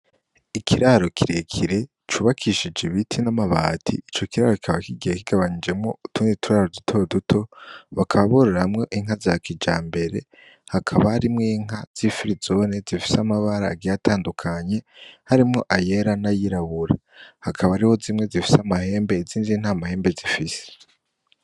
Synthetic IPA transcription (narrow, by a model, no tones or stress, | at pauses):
ikʰiɾaɾo̞kʰiɾe̞kʰiɾe̞ | t͡ʃuːβakʰiʃid͡ʒiβitʰinamaβa̰ːtʰḭit͡ʃo̞kiɾaɾo̞ki̥kʰaβakiɡijekiɡ̥aβaɲid͡ʒe̞mŋo̞̰utunitʰuɾaɾodutʰo̞dutʰo̞βakʰaβaβoɾoɾahamŋe̞ʔiŋ̥hazakid͡ʒaːmbe̞ɾe̞ | hakʰaβahaɾimŋiːŋ̥az̥ifiɾizo̞nezifi̥samaβaɾaɡijataːndukʰaɲe̞haɾimŋo̞ʔaje̞ɾanajiɾaβuɾahakʰaβaɾiho̞ziːmŋe̞zifi̥samahe̞ːmbe̞iziːnzin̥amahe̞ːmbe̞zifise̥